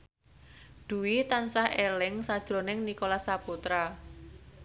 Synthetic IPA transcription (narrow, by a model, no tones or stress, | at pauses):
d̪̥ṳwit̪ansahʔelɪŋsad̥ʒ̥ɾo̤nɪŋnikolasaput̪ɾa